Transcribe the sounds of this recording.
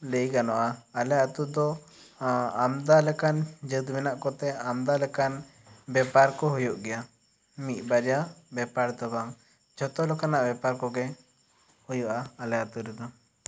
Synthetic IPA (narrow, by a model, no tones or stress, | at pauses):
ləjɡanɔʔaːlɛat̪ud̪ɔ | amd̪alɛkand͡ʒəd̪mɛnaʔkɔt̪ɛamd̪alɛkan | bɛpaɾkɔɦujuʔɡɛja | mit̪̚ˀbaɾijabɛpaɾd̪ɔɡaŋ | d͡ʒɔt̪ɔlɔkanaʔbɛpaɾkɔɡɛ | hujɔʔaːlɛat̪uɾɛd̪ɔ